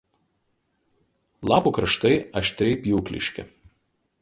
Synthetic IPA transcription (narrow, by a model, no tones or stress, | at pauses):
lˠɑːpuːkɾɐʃt̪ɐɪɐʃʲt̪ʲɾʲɛɪpʲjuːklʲɪ̰ʃʲkʲɪ̰